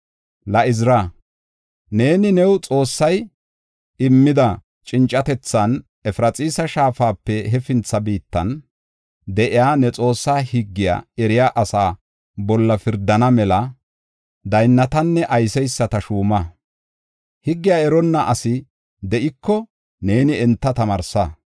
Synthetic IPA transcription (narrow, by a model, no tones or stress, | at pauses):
lɐʔɪzɪɾa | ne̞ːnɪnɛwt͡sʼo̞ːsːɐj | ɪmːɪd̪ɐ | t͡ʃʼɪnt͡ʃʼːɐt̪ɛt͡sːɐn | ɛfɪɾɐt͡sʼiːsɐʃaːfaːpːɛɦɛfɪnt͡sːɐbiːt̪ːɐ̰n | d̪ɛʔɪjaːnɛt͡sʼo̞ːsːaːhɪɡːɪja̰ːɛɾɪjaːʔɐsaː | bɔlːɐfɪɾd̪ɐnɐmɛlɐ | d̪ɐjnːɐt̪ɐnːɛʔɐjsɛjsːɐt̪ɐʃuːmɐ | hɪɡːɪjaːɛɾɔnːɐʔɐsɪ | d̪ɛʔɪkːɔ | ne̞ːnɪɛnt̪ːɐt̪ɐmɐɾsɐ